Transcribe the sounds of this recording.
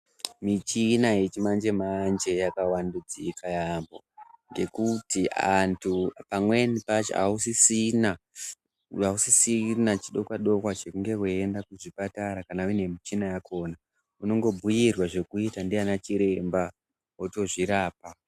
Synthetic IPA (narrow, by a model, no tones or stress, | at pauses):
mit͡ʃinajet͡ʃimand͡ʒe̞mand͡ʒe̞jakawandud͡zikʰajambo̞̰ŋɡe̞kutia̰ntʰupamwe̞nipat͡ʃa̰usisina | ausisinat͡ʃiɗo̞kwaɗo̞kwat͡ʃekuŋɡe̞kweendakuʐipataɾakanauine̞mit͡ʃinajakʰo̞ːna | uno̞ŋɡo̞bʱujirwaʐe̞kuitandianat͡ʃiɾe̞mba | woto̞ʐiɾaːp̚a